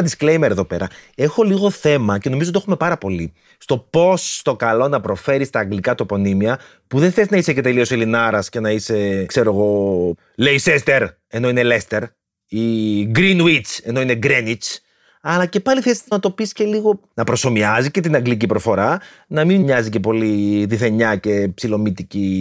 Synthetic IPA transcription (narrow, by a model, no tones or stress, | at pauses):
ðisklejmeɾeðo̞pe̞ɾɐe̞xo̞liɣo̞θe̞mɐce̞no̞mizot̪exume̞pɐɾɐpo̞li | st̪o̞po̞st̪o̞kɐlo̞nɐpɾo̞fe̞ɾist̪ɐːŋɡlikɐt̪opo̞nimiɐ | puðe̞nθeiznɐise̞ce̞t̪elio̞selinɐɾɐsce̞nɐise̞kse̞ɾo̞ɣo̞ | leisest̪e̞ɾ | e̞no̞ine̞lest̪e̞ɾ | iɡɾinwit͡se̞no̞ine̞ɡɾenit͡s | ɐlɐce̞pɐliθesi̥t̪nɐt̪o̞pisce̞liɣo̞nɐpɾo̞so̞miɐzice̞t̪inɐŋɡlicipɾo̞fo̞ɾɐ | nɐmimɲɐzice̞po̞liðiθe̞ɲɐce̞psilo̞mit̪ici